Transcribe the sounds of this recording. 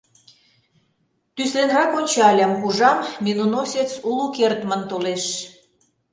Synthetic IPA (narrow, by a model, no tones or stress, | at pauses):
t̪yslenrɑkonʲt͡ɕɑlʲɑmkuʒɑmmenunosʲet͡sulukert̪mənt̪oleʃ